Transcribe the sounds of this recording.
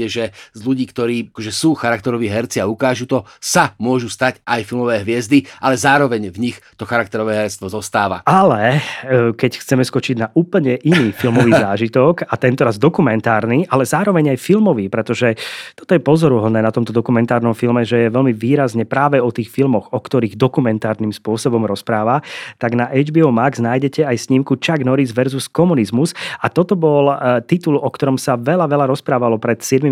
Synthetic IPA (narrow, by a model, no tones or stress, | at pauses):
ɛʒɛzʎuɟiːkt̪ɔɾiːakɔʒɛsuːxaɾakt̪ɛɾɔʋiːɦɛɾt͡siaukaːʒuːt̪ɔsamʊɔʒust̪acʔajfilmɔʋɛːɦʋɪɛzd̪iʔalɛzaːɾɔʋɛɲvɲixt̪ɔxaɾak̚t̪ɛɾɔʋɛːɦɛɾɛt͡st̪ʋɔzɔst̪aːʋa̰alɛ | kɛcxt͡sɛmɛskɔt͡ʃiɟnaʔuːpl̩ɲɛʔiniːfilmɔʋiːzaːʒit̪ɔkat̪ɛnt̪ɔɾazd̪ɔkumɛnt̪aːɾniʔalɛzaːɾɔʋɛɲajfilmɔʋiːpɾɛt̪ɔʒɛt̪ɔ̥t̪ɔjɛpɔzɔɾuɦɔd̪nɛːnat̪ɔmt̪ɔd̪ɔkumɛnt̪aːɾnɔmfilmɛʒɛjɛʋɛlmiʋiːɾazɲɛpɾaːʋɛɔt̪iːxfilmɔɣɔkt̪ɔɾiːɣd̪ɔkumɛnt̪aːɾnimspʊɔsɔbɔmɾɔspɾaːʋat̪aɡnaʔɛd͡ʒbiːɔmaɡznaːjɟɛcɛajsɲimkut͡ʃaɡnɔɾizʋɛɾzuskɔmunizmusat̪ɔt̪ɔbɔlt̪it̪ulɔkt̪ɔɾɔmsaʋɛʎaʋɛʎaɾɔspɾaːʋalɔpɾɛt̪sɪɛd̪mi